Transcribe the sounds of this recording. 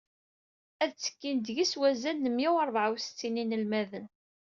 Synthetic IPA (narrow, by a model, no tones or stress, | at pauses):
æðt͡sːə̥kːind̪ʝiswæzænːəmjiwɑɾˤvʕawst͡sːininəlmæðən